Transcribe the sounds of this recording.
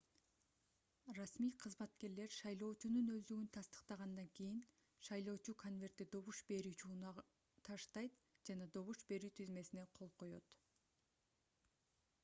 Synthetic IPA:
rɑsmijqʰɯzmɑt̪ke̞ɾle̞ɾʃɑjlˠo̞ːt͡ʃununøzd̪yɡynt̪ʰɑst̪ə̥qt̪ɑʁɑnd̪ɑŋkijin | ʃɑjlˠo̞ːt͡ʃukʰo̞nvʲe̞rt̪id̪o̞βuʃbe̞ɾyːt͡ʃuːnɑ | t̪ʰɑʃt̪ɑjt̪d͡ʒɑnɑd̪o̞βuʃbe̞ɾyːt̪ʰizme̞sine̞qʰo̞lˠqʰo̞jo̞̰t̪

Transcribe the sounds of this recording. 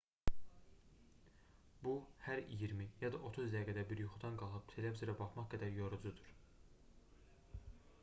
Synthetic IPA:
b̥uhæɾijiɾmijɑd̪ɑʔo̞t̪ʰuzd̪æɡæd̪æbiɾjuχud̪ɑnɡɑlˠxɯpt̪ʰe̞levzoɾæbɑχmɑχɡæd̪æɾjoɾud͡ʒud̪uɾ̥

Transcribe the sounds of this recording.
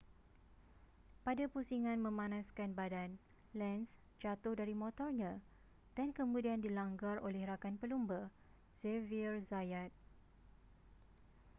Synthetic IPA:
padapusiŋãnmə̃mãnãskanbadan | lɛns | d͡ʒat̪ʊhdaɾimɔ̃t̪ɔrɲã | d̥ankəmũdiandilaŋɡarolɛhrakanpəlumbə | sevirzajat̪̚

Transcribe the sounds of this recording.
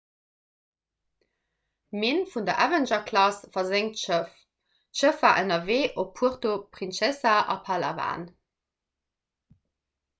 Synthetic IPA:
meːnfundɐʔævənʒɐkʰlɑsfɐzeŋtʃəf | ʃəfvaːʔənɐveːʔopʰuəχtopʁinʃɛsaʔɑ̰pʰaːla̰va̰ːn

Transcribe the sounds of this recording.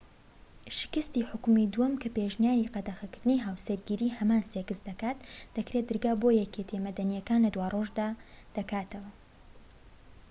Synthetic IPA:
ʃɪ̥kɨst̪iħʊkmid̪uwɐmkʰɐpeʒnjaːɾiqɐd̪ɐxɐkɨɾd̪ɨniɦaːwsɐɾɡiɾiːhɐmaːnsekɨsd̪ɐkaːt̪d̪̥ɐkɾet̪̚d̪ɨɾɡaːbojɛket̪ʰemɐd̪ɐnijɛkaːnlɐd̪waːrʔoːʒd̪aːd̪̥ɐkaːt̪ʰɐwɐ

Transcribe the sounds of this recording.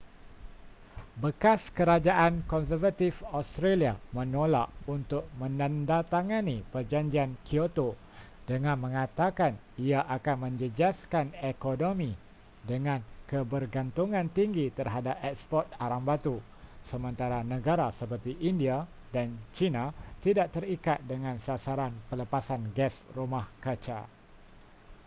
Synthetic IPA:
bəkaskəɾad͡ʒaʔankɔns̬ərvat̪ifast̪ɾeliamə̃nolaʔunt̪ʊk̚mə̃nandat̪aŋãnipərd͡ʒaɲd͡ʒiankʰiot̪o | dəŋãnmə̃ŋãt̪akan | iaʔakanmə̃ɲd͡ʒəd͡ʒaskanekonomĩ | dəŋãnkəbərɡant̪uŋãnt̪iŋɡit̪ərɦadap̚ɛk̚spɔrt̪̚aɾaŋbat̪u | səmə̃nt̪aɾanə̃ɡaɾasəpərt̪iʔindia | dant͡ʃinat̪idaʔ̚t̪əɾikat̪̚dəŋãnsasaɾanpələpasanɡɛsrumahkət͡ʃa̰

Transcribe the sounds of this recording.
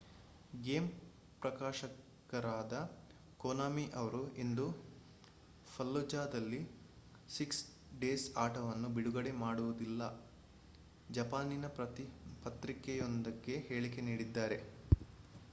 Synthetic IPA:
ɡeːm | pɾɐkaːʃɐ | kɐɾaːd̪ɐ | koːnaːmiʔɐʋɐɾuʔend̪u | pʰɐlːud͡ʒaːd̪ɐlːi | siks | ɖeːsaːʈɐʋɐnːubiɽuɡɐɽe̞maːɽuʋud̪ilːɐ | d͡ʒɐpaːninɐɐpɐt̪ɾikɛjond̪ɐɡːe̞he̞ːɭike̞niːɽid̪ːaːɾe̞

